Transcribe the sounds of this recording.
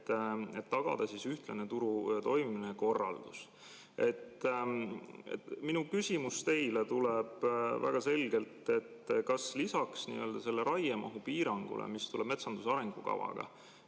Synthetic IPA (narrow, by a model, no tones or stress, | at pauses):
e̞t̪ːɑɡ̥ɑ̰d̪̥ɑsisyht̪lɑnet̪uɾut̪o̞jmimineko̞rːɑld̪̥us | e̞t̪ː | ḛt̪minukysʲimust̪e̞jlet̪uleb̥væ̰ɡ̥ɑse̞lɡe̞lt̪e̞t̪ːkɑslisɑksnḭøːld̪̥ɑse̞lːe̞ɾɑjemɑ̰ɦupiːɾɑŋɡ̥ṵlḛmist̪uleb̥me̞t̪sɑnd̪̥usɑɾe̞ŋɡ̥ukɑ̰vɑ̰ɡ̥ɑ̰